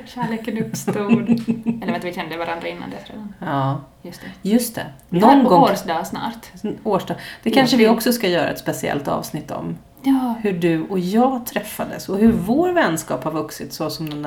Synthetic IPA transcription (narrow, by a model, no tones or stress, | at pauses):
ɕæɭeːkənɵpst̪t̪uːd̪ɛlːɾvɛnavɪɕɛnd̪əvaɾand̪ɾaɪnːa̰nd̪ɛsɾḛːd̪anɑːjst̪ɛjɵst̪ʰɛ̰ | nɔnɡɔŋd̪ɑːsnɑ̰ːɾt̪oːʂdɑːd̪̥ɛkʰanʂəvɪɔksɔskajœːɾa̰ɛt̪spɛsɪɛ̰lt̪ɑ̰ːvsnɪt̪ːɔ̰m | hɵɖɵɔjɑːɡt̪ʰɾɛfːad̪ə̰sɔɦɵɾvoːɾvɛnːskɑːphaɾvɵksɪt̪sɔsɔmd̪ɛn